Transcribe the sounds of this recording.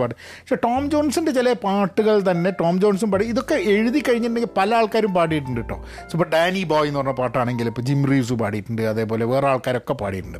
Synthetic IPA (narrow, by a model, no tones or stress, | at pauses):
paːʈ̬ːɨ | ʂeʈo̞ːmd͡ʑo̞ːnsindet͡ɕilɐpaːʈːuɣɐɭt̪ɐnːe̞ʈo̞ːmd͡ʑo̞ːns̬umpaːʈiiðo̞kːeeɻuðikːɐɻiɲːɐneŋɡilpɐlɐaːɭkaːɾumpaːʈ̬ijiʈ̬ːuɳɖiʈːoː | ipːoːɖaːniboːjinːuʋɐrnːɐpaːʈːaːɳe̞ŋɡilipːoːd͡ʑimriːs̬upa̰ːʈijiʈːuɳɖɨɐðe̞ːpo̞ːle̞ʋe̞ːraːɭkaːɾo̞kːe̞pa̰ːʈijʈːuɳɖɨ